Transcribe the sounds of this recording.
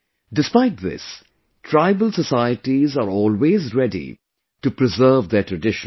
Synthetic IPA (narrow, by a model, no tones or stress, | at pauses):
ɖɪspaɪʈ̚ðɪ̰s | ʈʰɾaɪbəlsəsaɪəʈizaɾɔːlweːzɾɛɖḭ | ʈupɾɪzəːvd̪eʈʰɾəɖɪʃə̃n